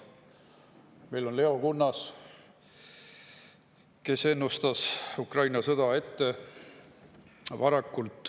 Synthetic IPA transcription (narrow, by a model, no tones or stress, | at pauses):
me̞jlo̞nle̞o̞kunːɑs | ke̞se̞nːust̪ɑsukrɑjnɑsɤd̪̥ɑe̞t̪ːe̞ | vɑɾɑkːult̪ˑ